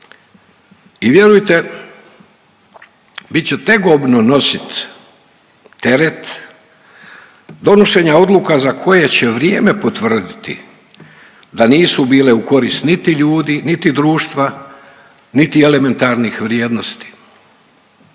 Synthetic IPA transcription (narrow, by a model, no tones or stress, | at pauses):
iʋje̞ɾujt̪e | bit̪t͡ɕe̞t̪e̞ɡobnono̞sit̪ | e̞ɾet̪ | d̪o̞no̞ʃe̞ːɲao̞d̪lukazakʰo̞je̞t͡ɕe̞ʋɾjeːme̞pot̪ʋr̩d̪it̪ḭ | d̪aniːsubiːle̞uko̞ɾist̪nit̪iʎuːd̪init̪id̪ɾuːʃt̪ʋa | nit̪ie̞le̞me̞nt̪aɾnixʋɾjeːd̪no̞st̪i̥